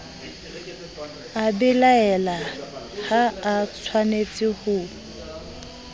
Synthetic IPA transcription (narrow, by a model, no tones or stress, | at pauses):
abɪlaɛla | haːt͡sʰwanet͡sʼɪhʊ